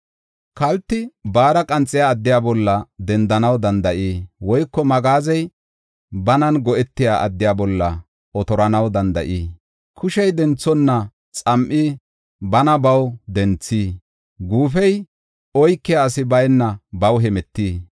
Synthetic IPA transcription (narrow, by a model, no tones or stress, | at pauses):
kɐlt̪ːɪbaːɾɐkʼɐnt͡sʼːɪjaːd̪ːɪjaːbɔlːɐd̪ɛnd̪ɐnɐwd̪ɐnd̪ɐʔiːwɔjkːɔmɐɡaːzɛj | bɐnɐnɡɔʔɛt̪ːɪjaːʔɐ̰d̪ːɪjaːbɔlːɐ | ɔt̪ɔɾɐnɐwd̪ɐnd̪ɐ̰ʔiː | kʰʊʃɛjd̪ɛnt͡sːɔnːɐ | t͡sʼɐmʔi | bɐnɐbɐwd̪ɛnt͡sːiː | ɡuːfɛj | ɔjkːɪjaːsɪbɐjnːɐbɐwɦɛmɛt̪ːiː